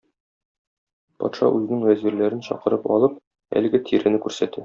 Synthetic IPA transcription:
pɒ̰t̪ʃɑ̰ʔʉzɘ̆nɘŋwæziɾlæɾɘnɕɒ̰qɤ̆ɾɤpɒ̰lˠɤp̚ | æ̰lɘ̆ɡɘt̪ʰiɾɘ̆nɘkʉɾsæt̪æ

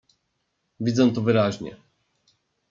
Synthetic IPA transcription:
vʲid̪zɛ̃t̪ɔvɘɾaʑɲɛ̰

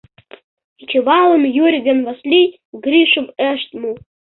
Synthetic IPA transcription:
it͡ʃʲʰivalˠɨmjuɾʲɡanvaslʲi | ɡɾʲiʃɨmɛʂt̪mu

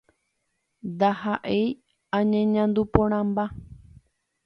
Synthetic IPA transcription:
d̪ahaʔej | ãɲẽɲãnd̪upõɾ̃ãmba

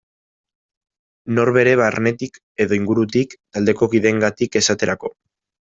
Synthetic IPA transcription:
no̞ɾβe̞ɾe̞βaɾne̞t̪ik | e̞ðo̞iŋɡuɾut̪ikt̪ald̪e̞ko̞kiðe̞ŋɡat̪ike̞sat̪e̞ɾako̞

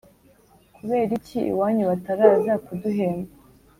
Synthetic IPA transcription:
kuβe̞ːɾiciḭwaːɲuβataɾazakuduɦeːmɡa

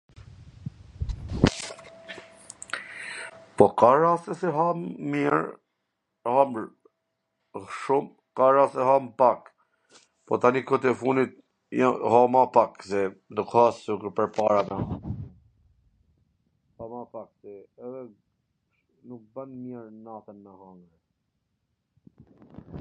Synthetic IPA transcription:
pɔkaɾasɛsɛɦamːiɾ | hamɾ | hʃum | kaɾasɛɦampak | pɔt̪anikɔt̪ɛfunit̪̚ | ahɔmapaksɛd̪ukhasukpɛɾpaɾamɛ | hɔmapaksɛɛðɛ | nuk̚bənmjɛɾnat̪ənmɛhɔŋɡɾɛ

